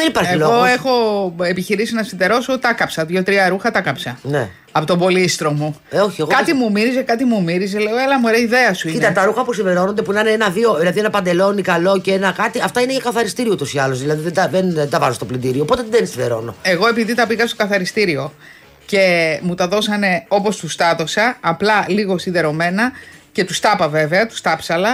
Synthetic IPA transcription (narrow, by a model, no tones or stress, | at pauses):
ðenipaɾeiloo̞e̞xo̞epiçiɾisinɐsind̪e̞ɾo̞sot̪ɐkɐpsɐðʝo̞t̪ɾiɐɾuxɐt̪ɐkɐpsɐnḛ | ɐpot̪obo̞list̪ɾo̞mu | o̞çieɣkɐt̪imumiɾizekɐt̪imumiɾiz̬ele̞oelɐmueɾeɐiðeɐsuiit̪ɐt̪ɐɾuxɐpusive̞ɾo̞nond̪epuinaneenɐðio̞ðilɐðienɐpɐnd̪e̞lo̞nikɐlo̞ceenɐkɐt̪iɐft̪ɐine̞ʝɐkɐθɐɾist̪iɾiout̪o̞siɐlo̞zðilɐðiðed̪ɐðend̪ɐvɐ̰zost̪oplind̪iɾiopo̞t̪eðensinðḛɾo̞̰no̞̰e̞ɣo̞e̞piðit̪ɐpiɣɐst̪o̞kɐθɐɾist̪iɾio̞ | ce̞mut̪ɐðo̞sɐne̞o̞po̞st̪ust̪ɐt̪o̞sɐːplɐliɣo̞sinðe̞ɾo̞me̞nɐce̞t̪ust̪ɐpɐve̞ve̞ɐt̪u̥st̪ɐpsɐlɐ